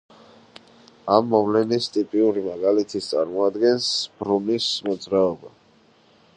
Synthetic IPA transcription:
amːɔvlɛnist̪ʼipʼiuɾimaɡalit̪ʰist̪sʼaɾmɔad̪ɡɛnsb̥ɾunismɔd̪zɾaɔba

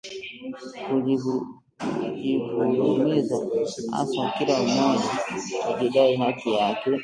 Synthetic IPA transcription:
ui | uʄivulumizaha̰sakilam̩mɔʄauʄiɗaiɦatijakɛ

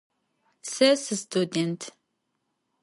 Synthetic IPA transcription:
sɛsɨst̪ʰud̪ɛntʰ

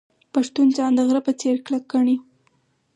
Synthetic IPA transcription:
paʂt̪und͡ʒɑnd̪əɣɾapət͡seɾklakːəɳi

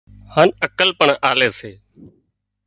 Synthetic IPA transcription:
haːnəkəlpəɳaːleːseː

